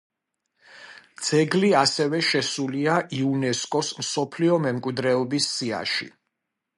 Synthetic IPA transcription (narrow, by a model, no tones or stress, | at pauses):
d̪z̥ɛɡliasɛvɛʃɛsuliaʔiunɛskʼɔsmsɔpʰliɔmɛmkʼwid̪ɾɛɔbisːia̰ʃḭ